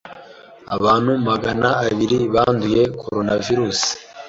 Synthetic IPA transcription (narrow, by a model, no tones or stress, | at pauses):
a̰βaːn̥humaɡanaːβiɾiβaːnduje̞kʰo̞ɾo̞naviɾuːsi̥